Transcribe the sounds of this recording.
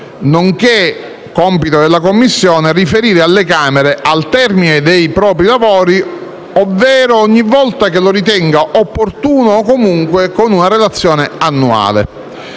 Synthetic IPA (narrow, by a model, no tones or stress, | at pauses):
noŋke | kːɔmpit̪od̪elːakomːisːjɔːnerifeɾiːɾealːekaːmeɾeʔalt̪ɛrmined̪ejpɾɔːpɾilavɔːɾi | ovːɛːɾoɔɲːivːɔlt̪ak̟eloɾit̪̬ɛŋɡaʔopːort̪uːnoːkomuŋkwekonunaɾelat̪sːjɔːneanːua̰ːlḛ